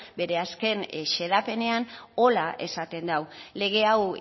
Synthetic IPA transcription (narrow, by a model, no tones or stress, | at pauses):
be̞ɾe̞aske̞nʃe̞ðape̞ne̞ano̞laʔe̞̰sat̪e̞nd̪awle̞ɣ̞e̞aw